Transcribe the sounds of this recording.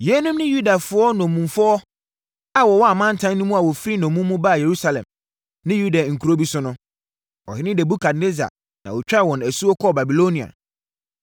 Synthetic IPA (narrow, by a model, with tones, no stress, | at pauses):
jɛ˨˦nʊ̃˦mnɪ̃˦ju˦da˨fʊ˨˦ɔ˦nɔ̃˨mũ˨mfʊ˦ɔ˦ | a˨wɔ˨wɔ˦a˨mã˦n̩˨tʰã˦nnʊ̃˦mũ˦a˨wɔ˨fɾi˦nɔ̃˨mũ˦mː˦ũ˦ba˦˨je˨ɾu˦sa˨lɛ̰̃˨m | nɪ̃˦ju˦da˨ŋ̩˨kʰu˨ɾo˦bi˦sʊ˦nʊ̃˦ | ɔ˨hɪ˦nɪ̃˦dɛ˨bu˦kʰa˨dne˦za̰˨ | nã˨wɔ˨t͡ɕᶣa˦˨wɔ̃˨næ˨su˦ɔ˦kʰɔ˦˨ba˨bi˨lo˦nĩ˨a̰˨